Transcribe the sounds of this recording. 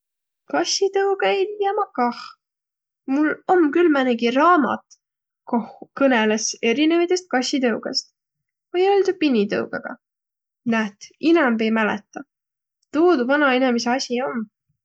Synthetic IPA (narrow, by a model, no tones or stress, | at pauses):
kɑsʲit̪ɤwɡ̥ɑe̞jlijɑmɑkɑh | mulomkylmæneɡirɑːmɑ̰t̪ | kohukɤnelese̞ɾinevit̪est̪̚kɑsʲit̪ɤwɡ̥ɑst̪ | vojøld̪upinʲːit̪ɤ̰wɡ̥ɑɡ̥ɑ̰ | næt̪inɑmve̞jmælɛ̰t̪ːˑɑ | t̪uːd̪uvɑnɑe̞nemeseɑsʲio̞m